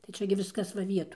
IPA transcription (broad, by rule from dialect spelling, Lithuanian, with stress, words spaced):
tɐɪ ˈt͡ʃʲɛ ɡʲɪ ˈʋʲɪskɐs ʋɐ ˈʋʲiɛtoːj